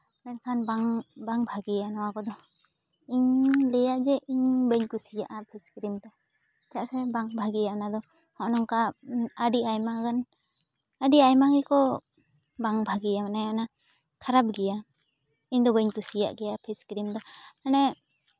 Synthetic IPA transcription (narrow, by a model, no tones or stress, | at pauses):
bɛnkʰanbaŋbaŋbʱaɡijanɔwakɔd̪ɔ | iɲlɛjaʔd͡ʒɛʔiɲbəɲkusijaʔapʰiskɾimt̪ɛ | t̪ɛjaʔsɛbaŋbʱaɡɛjaʔnad̪ɔ | hɔʔnɔŋkaəɖiajmaɡan | aɖiajmaɡɛkɔ | baŋbʱaɡijamanajana | kʰaɾab̚ɡɛja | iɲd̪ɔbəɲkusija̰ʔɡɛjapʰiskɾimd̪ɔanɛ